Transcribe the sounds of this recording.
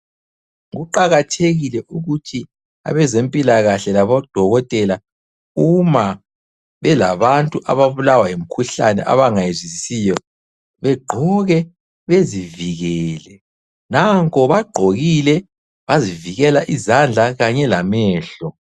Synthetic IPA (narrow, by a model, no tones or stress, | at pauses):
ɣuǃaɣatʰeɣilɛʔuɣutʰi | a̰βɛzempʼilaɣaɬɛlaβɔd̥ʱɔɣɔtʼɛla | uma | βɛlaβantʼuʔa̰βaβulawajem̩kʰuɬanɛ̰ʔa̰βaŋajezisijɔ | βɛɡ͡ǃʱɔɣɛ | βeziviɣɛːlɛ | naŋkʰʼɔβaɡ͡ǃʱoɣilɛ | βaziviɣɛlaʔizand͡ɮʱaɣaɲɛlamɛːɬɔ